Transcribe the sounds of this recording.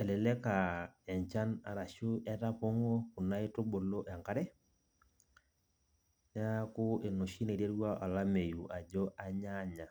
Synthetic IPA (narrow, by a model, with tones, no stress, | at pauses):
ɛ˨lɛ˨lɛ˦ka˨ɛ˨ɲt͡ʃa˦na˨ɾa˨ʃʊ˦ʔɛ˦ta˦po˦ŋo˦kʊ˨na˦e˦tʊ˦bo˨lo˦ʔɛ˨ŋka˦ɾɛ˦ | nɛ˦a˦kʊ˦ɪ˨no˨ʃi˦ne˨ɾe˦ɾwa˦ʔɔ˨la˦me˨ju˨ʔa˨d͡ʒɔ˦ʔa˦ɲa˦ɲa˨